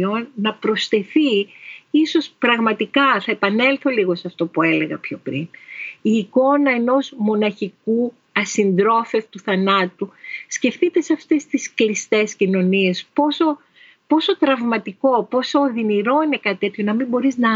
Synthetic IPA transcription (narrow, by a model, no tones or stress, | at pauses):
onnɐpɾo̞sθe̞θiiso̞spɾɐɣmɐt̪ikɐθɐepɐne̞lθo̞liɣo̞seɐft̪o̞pue̞le̞ɣɐpço̞pɾiniːko̞nɐe̞no̞zmo̞nɐçiku | ɐsind̪ɾo̞fe̞ft̪uθɐnɐt̪usce̞fθit̪e̞sɐft̪est̪isklist̪e̞scino̞nie̞spo̞so̞ | po̞so̞t̪ɾɐvmɐt̪iko̞po̞so̞ːðiniɾo̞ine̞kɐt̪it̪e̞t̪ço̞nɐmimbo̞ɾiznɐ